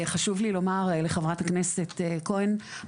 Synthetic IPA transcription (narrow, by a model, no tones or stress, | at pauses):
χaʃuvlilo̞maʁleχavʁathaknesetːkoen